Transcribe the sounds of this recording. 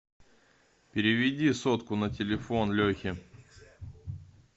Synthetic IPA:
pʲɪɾʲɪvʲɪdʲisot̪kʊnətʲɪlʲɪfo̞nlʲɵxʲɪ

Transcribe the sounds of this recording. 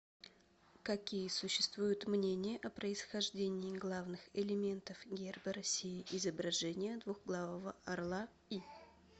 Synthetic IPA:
kɐkʲijəsʊɕːɪst̪vujʊt̪mnʲenʲɪjəʔɐpɾəɪsxɐʐdʲenʲɪːɡlˠavnɨxɪlʲɪmʲe̞nt̪əfɡʲerbəɾɐsʲijɪʔɪzəbɾɐʐɛnʲɪjəd̪vuɣɡlˠavəvəɐrlˠa | i

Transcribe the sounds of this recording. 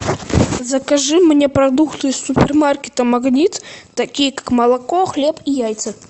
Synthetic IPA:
zɐkaʐɨmnʲepɾad̪ukt̪ɨjsupʲɛrmarkʲɪt̪ɐmaɣnʲit̪ːɐkʲijəkḁkmɐlˠakɔxlʲepijajt̪sɨ

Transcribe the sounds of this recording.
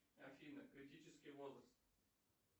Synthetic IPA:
afʲinəkɾʲɪtʲit͡ɕɪskʲɪjvozɾəst̪

